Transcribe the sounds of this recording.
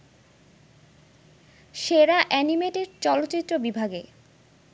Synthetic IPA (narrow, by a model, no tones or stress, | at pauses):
ʃeɾaʔɛnimeʈeɾt͡ɕɔlot̪ːɕit̪ːɾobibʱaɡe